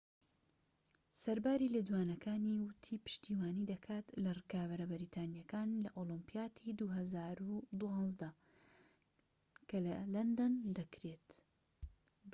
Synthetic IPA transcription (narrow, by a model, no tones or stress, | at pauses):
sɐɾbaːɾiːled̪uwaːnɐkʰaːniwʊt̪ʰiːpɨ̥ʃt̪iːwaːnid̪ɐkʰaːt̪lɐrɨkaːβɐɾɐbɪɾiːt̪ʰaːnijɐkaːnlɐʔoːlɨmpijaːt̪ʰid̪uɦɐzaːɾud̪uɑːnzd̪ɐ | kʰɐlɐlɐnd̪ɐnd̪ɐkɾeːt̪